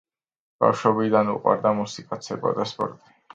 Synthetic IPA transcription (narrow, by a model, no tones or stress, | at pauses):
b̥a̰fʃwɔbid̪anṵqʼwa̰ɾd̪amusikʼat̪sʰɛba̰d̪aspʼɔ̰ɾt̪ʼi̥